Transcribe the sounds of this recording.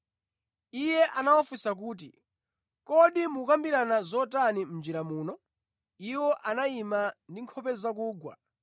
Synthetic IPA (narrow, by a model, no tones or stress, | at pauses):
ijɛʔanawafusak̬uːt̬i | kɔɗimukambiɾanazɔtanim̩nd͡ʒiɾamuːnɔ | iwɔʔanaimandiŋkʰɔpɛzak̬uːɡwa̰